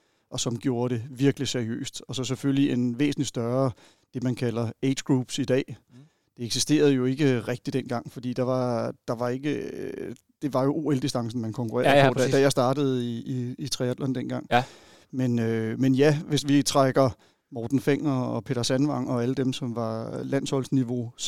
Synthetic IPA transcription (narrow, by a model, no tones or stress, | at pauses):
ʔɒ̽sɒ̽mɡ̥jo̝ːɐɾe̝ʋiɐɡ̥əlisæɐiø̰ːsd̥ɒ̽sɒ̽s̬efølliʔenʋe̝̰ːsn̩li̥sd̥ɶɐ | d̥e̝mænkʰælɐeːd̥ɡ̥ʁuːb̥sid̥ɛ̰ː | d̥e̝eɡ̥s̬isd̥e̝̰ːɐð̞̩ˠjo̝e̝ɡ̥əʁɛɡ̥̚d̥id̥en̰ɡ̥ɑ̈ŋ̰fɒ̽d̥ḭːd̥ɑ̈ʋɑ̈d̥ɑ̈ʋɑ̈e̝ɡ̥ə | d̥e̝ʋɑ̈jo̝ʔo̝ːeld̥isd̥ɑ̈ŋ̰sn̩mænkʰɒ̽ŋkʰuʁɛ̰ɐɐo̰̥d̥æjɑ̈ɪsd̥ɑ̈ːd̥əð̞̩ˠiiit͡sʰʁiæd̥lɒnd̥enɡ̥ɑ̈ŋ̰ | menømenjæʋe̝sʋit͡sʰʁaɡ̥ɐ | mɒːd̥n̩feŋ̰ɐɒpʰe̝ːd̥ɐsænʋɑ̈ŋ̰ɒ̽æləd̥emsɒ̽mʋɑ̈læn̰shɒ̽l̰sniʋo̝